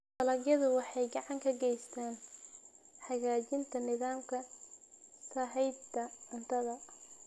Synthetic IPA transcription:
tɐlɐɡjɐðʊwɑħɑjɡɑʕɑŋkʰɐɡɛjst̪ʰaːn | ħɑɣaːt͡ʃɪnt̪ʰɐnɪðaːmkʰɐ | sɐɦɛjd̪ɐɐnt̪ʰɐðɐ

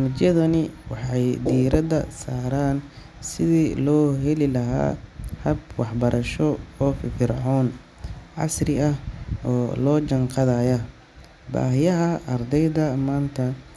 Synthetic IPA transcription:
mɪt͡ʃjɐðɐnɪwɑħɑjd̪iːɾɐd̪ɐ̰saːɾaːn | sɪðiːlɔːɦɛlɪlɐɦa̰ːhɐbwɑħbɐɾʔɐʃɔɔːffɪrʕɔːn | ʕɑ̰srɪɐhɔːlɔːt͡ʃɐɴqɑðajɐ | ba̰ːɦɪjɐɦɐɐrd̪ɛjðɐmaːnt̪ʰɐ

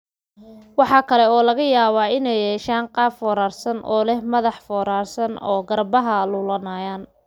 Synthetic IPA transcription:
wɑħɑːkʰɐlɛɔːlɐɣɐjaːβaːɪnɛjɛːʃaːɴqɑːfɔːɾaːrsɐnʔɔ̰ːlɛhmɐðɑħfɔːɾaːrsɐnɔ̰ːɡɐrbɐɦɐlʊːlɐnaːjaːn

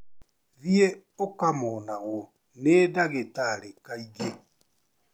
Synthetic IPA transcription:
ðie | okamonaɣo | nedaɣetaɾekaiɣe

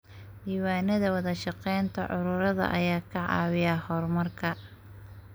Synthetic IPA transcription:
diːwaːnɐðɐwɑðɐʃɑqɛjnt̪ʰɐʕʊɾʊɾɐðɐ̰ʔɐjaːkʰɐʕɑ̰ːwɪjɐhɔrmɐrkʰɐ

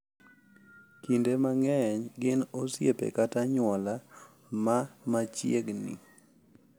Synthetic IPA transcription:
kindemaŋɛɲɡɪnosjepḛkataɲwɔla | mamat͡ʃjeɡnḭ

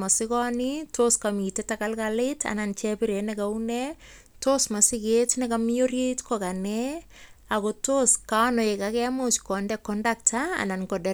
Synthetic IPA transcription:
masɪkɔnitoskamiːtetakalkalɪtʰa̰nant͡ʃɛpiɾenɛkaune | tosmasɪketnɪkamiorjeitkokanɛ | akotoskanoekakɛmot͡ʃkɔndɛkɔndaktʰa̰ːnankɔdɛ

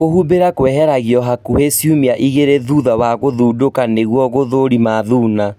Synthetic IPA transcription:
kohubeɾakwɛɦɛɾaɣiɔɦakuhesjumiaʔiɣeɾeðuðawaɣoðuːdokaneɣwɔɣoðoɾimaðuːna

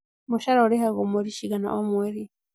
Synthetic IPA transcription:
moʃaɾaoɾehaɣomoɾiʃiɣana̰ʔɔmwɛɾi

